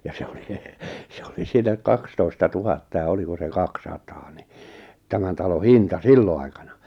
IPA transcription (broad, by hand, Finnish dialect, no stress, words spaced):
jɑ se oli se oli siːnæ kɑkstoistɑ tuhɑtːɑ jɑ oliko se kɑksɑtɑː ni tæmæn tɑlo hintɑ silːo ɑikɑnɑ